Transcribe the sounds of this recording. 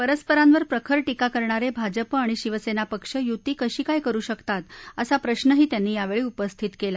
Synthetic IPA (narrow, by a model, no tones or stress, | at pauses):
pəɾəspəɾanʋəɾpɾəkʰəɭʈikakəɾɳaɾebʱad͡ʑəpaɽ̃iɕiʋəsenapəkʂəjut̪iːkəɕiːkajkəɾuːɕəkt̪at̪əsapɾəɕnəɦiːt̪janːiːjaʋeɭiːupəst̪ʰit̪kela